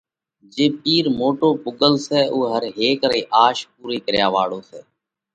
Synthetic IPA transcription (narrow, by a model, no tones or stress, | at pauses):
d͡ʒeːpiːɾmoːʈoːpʊɠəlsɛːʔuːɦəɾɦeːkɾiːʔaːʃp̚uːɾiːkəɾjaːʋaːɽoːsɛ̰ː